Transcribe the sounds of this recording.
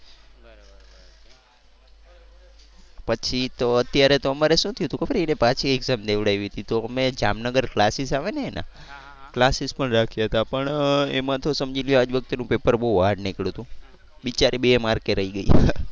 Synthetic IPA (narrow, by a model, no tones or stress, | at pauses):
pət͡ʃʰit̪oət̪jaɾet̪oəmaɾeʃũt̪ʰjut̪ũkəbəɾenepat͡ʃʰieɡzamd̪eʋɽaʋiɦət̪it̪omed͡ʒa̰mnəɡəɾklasisaʋeneːnʔã̰ | klasispəɳɾakʰjaɦət̪apəɳḛmãt̪ʰosəmd͡ʒiljoad͡ʒʋək̚t̪enũpepəɾbəɦuʋaɖnikɭũt̪ũ | bit͡ʃaɾʔibemaɾkeɾəiɡəia